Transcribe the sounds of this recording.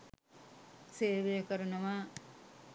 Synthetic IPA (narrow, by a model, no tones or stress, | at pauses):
seːʋijɐkɐɾɐnɐʋaː